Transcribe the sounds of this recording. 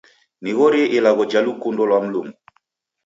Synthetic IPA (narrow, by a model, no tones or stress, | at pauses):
niɣɔɾeʔelaɣɔd͡ʒalukundɔlwam̩lumu